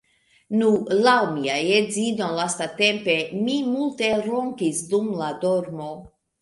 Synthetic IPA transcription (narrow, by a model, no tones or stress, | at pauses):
nulawmiajezinolast̪at̪e̞mpe̞mimult̪e̞ɾoŋkisd̪umlad̪oɾmo